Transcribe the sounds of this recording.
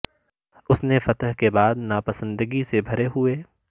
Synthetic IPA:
ʊsnefɐt̪ɦkebaːd̪napɐsə̃nd̪əɡisebʱɐɾeɦʊeː

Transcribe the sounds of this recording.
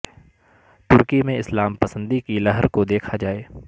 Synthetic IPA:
t̪ʊɾkimẽɪslaːmpɐsə̃nd̪ikilɐɦəɾkod̪eːkʰad͡ʒaːeː

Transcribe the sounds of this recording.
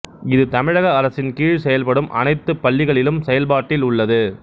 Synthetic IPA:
ɪðɯt̪ɐmɪɻɐɣɐɐɾɐsɪnkiːɻsɛjɐlpɐɽɯmʔɐ̰nɐɪt̪ːɯpːɐɭːɪɣɐɭɪlɯmsɛjɐlpaːʈːɪlʊɭːɐðɯ

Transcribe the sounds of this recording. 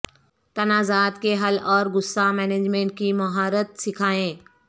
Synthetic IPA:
t̪ɐnaːzaːt̪keɦɐlɔːɾɡʊsːamɛːneːd͡ʒmẽːɳʈ̚kimɐɦaːɾət̪sɪkʰaːẽː

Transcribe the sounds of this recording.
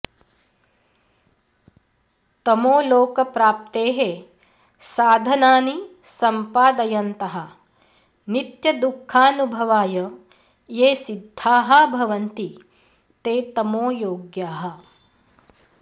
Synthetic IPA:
t̪ɐmoːloːkɐpɾaːp̚t̪eːɦe | saːd̪ʱɐnaːnisɐmpaːd̪ɐjɐnt̪ɐɦɐ | nit̪jɐd̪ukʰːaːnubʱɐʋaːjɐ | jeːsid̪ʱːaːɦɐbʱɐʋɐnt̪i | t̪eːt̪ɐmoːjoːɡjaːɦɐ̆

